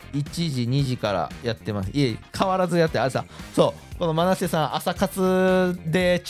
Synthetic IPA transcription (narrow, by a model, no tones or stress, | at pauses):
it͡ɕiʑiɲ̟iʑikaɾa̰jat̪ːe̞masɨiekʰaβaɾazɨjat̪ːeaɾesã̰so̞ː | ko̞no̞manasesãɰ̃ʔasakat͡sɨd̪e̞